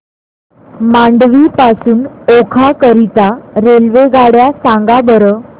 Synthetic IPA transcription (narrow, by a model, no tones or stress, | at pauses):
maɳɖʋipasuːnokʰakəɾit̪aɾelʋeɡaɽjasãŋɡabəɾəː